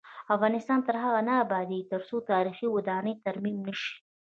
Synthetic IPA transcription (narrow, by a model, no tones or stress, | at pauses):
afɣɑnɪst̪ɑnt̪əɾɦaɣanaːbɑd̪it̪əɾsot̪ɑɾixiwad̪ɑnəjt̪aɾmimnəʃi̥